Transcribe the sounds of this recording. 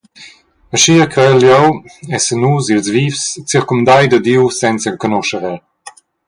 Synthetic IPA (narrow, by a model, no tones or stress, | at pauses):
əʃiːkɾɛljɔwɛsənuzilzvifst͡siɾkumd̪ajd̪əd̪iwsɛnt͡səlkɔnɔʃəɾɛl